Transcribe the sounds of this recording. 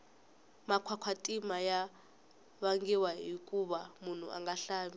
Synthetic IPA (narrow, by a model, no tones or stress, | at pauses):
makʰwakʰwatʼimaja | βaŋɡɛwaɦikʼuɓamun̤ṵʔa̰ŋɡaɬaːɓi